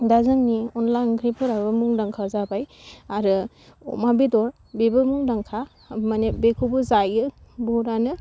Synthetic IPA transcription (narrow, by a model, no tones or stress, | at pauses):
dazɯŋniɔnlajnkʰɾipʰɯɾabɯmuŋdaŋkʰazabajaɾɯ | ɔ̰mabidɔɾ | bebɯmuŋdaŋkʰa | manebekʰubɯzajɯbɔɾanɯ